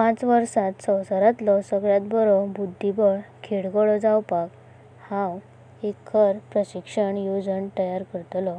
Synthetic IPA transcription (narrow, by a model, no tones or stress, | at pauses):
pãt͡sʋəɾsat̪səwsaɾat̪lɔsəɡɭjat̪̚bəɾɔbud̪ʱːibəɭkʰeɽɡɔɭɔd͡zawpak | hãw | ekʰːəɾpɾəɕikʂəɳjud͡zəɳt̪əjaɾkəɾt̪lɔ